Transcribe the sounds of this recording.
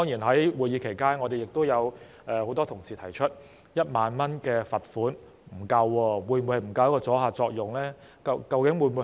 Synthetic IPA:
ɔː˥ŋjiː˨˩nɦɐ˨˥jwuː˨jiː˨˧kʰe˨˩jkaː˥nŋɔː˨˧t̪e˨jɪ˨k̚t̪o˥wjɐ˨˧w | ʔɛː˨ho˨˥wt̪ɔː˥t̪ʰʊ˨˩ŋsiː˨t̪ʰɐ˨˩jt͡ʃʰɵ˥t̚ | jɐ˥t̚maː˨˧nmɐ˥nkɛː˧fɐ˨t̚fuː˨˥n | m̩˨˩kɐ˧wːɔː˧wuː˨˧jnmu˨˧˥hjm̩˨˩kɐ˧wjɐ˥kɔː˧t͡sɔː˨˥ɦaː˨t͡sɔː˧k̚jʊ˨ŋlɛː˥ | kɐ˧kɐ˧wkɪ˨˥ŋwuː˨˧jmu˨˧

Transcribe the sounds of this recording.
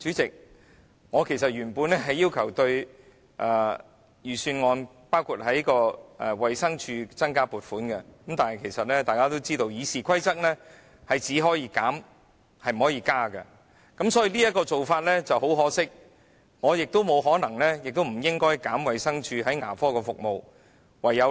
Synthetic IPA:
t͡ʃyː˨˥t͡sɪ˨k̚ | ŋɔː˨˧kʰe˨˩sɐ˨t̚jyː˨˩npuː˨˧nlɛ˥ɦɐ˨jːiː˥wkʰɐ˨˩wt̪ɵ˧ɥ | ʔaː˨ | jyː˨˩syː˧nŋɔː˨˧n | paː˥wkʰu˨˩t̚hɦɐ˨˥jkɔː˧ʔɛ˨wɐ˨jsɐ˥ŋt͡ʃʰyː˧t͡sɐ˥nkaː˥puː˨˩t̚fuː˨˥nkɛ˧kɐ˨˦˥mt̪aː˨˩nhɐ˨jkʰe˨˩jsɐ˨t̚lɛː˥t̪aː˨kaː˥t̪o˥wt͡siː˥t̪o˧wjiː˨˧siː˨kʰɐ˥jt͡sɐ˥k̚lɛː˥ | hɐ˨˩jt͡siː˨˥ɦɔː˨˥jiː˨˧kaː˨˥m | hɐ˨jm̩˩ɔː˨˥jiː˨˧kaː˥kɐ˧ | kɐ˨˥msɔː˨˥ji˧liː˥jɐ˥t̚kɔː˧t͡so˨wfaː˧t̚lɛ˥t͡sɐ˨wɦo˨˥wɦɔː˨˥sɪ˥k̚ | ŋɔː˨˧jɪ˨k̚t̪o˥wmo˨˧wɦɔː˨˥nɐ˨˩ŋlɛː˥jɪ˨k̚t̪o˥wm̩˨˩jɪ˥ŋkɔː˥jkaː˨˥mwɐ˨jsɐ˥ŋt͡ʃʰyː˧ɦɐ˨˥jŋa̰ː˨˩fɔː˥kɔː˧fʊ˨k̚mo˨w | wɐ˨jːɐ˨˧w

